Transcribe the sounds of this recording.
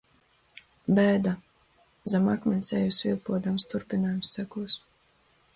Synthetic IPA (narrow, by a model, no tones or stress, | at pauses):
bɛːd̪a | zamakmʲɛnʲsʲɛ̰jusvʲilˠpuɔd̪amst̪uɾpʲinaːjumsːækuɔs